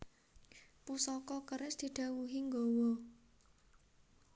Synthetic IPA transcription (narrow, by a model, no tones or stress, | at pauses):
pusɔkɔkəɾɪsd̪̥i̤d̪̥ä̤wuɦiŋɡɔwɔ